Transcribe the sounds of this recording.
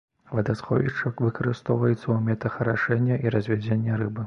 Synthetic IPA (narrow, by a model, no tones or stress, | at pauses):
vɐd̪asxɔvʲit͡ʂɐkvɨkɐɾɨst̪ɔwvɐjɛt̪sːɐwumʲɛt̪ɐxɐɾaʂɛnʲːɐʔiɾɐzʲvʲɛd͡zʲenʲːɐrɨbɨ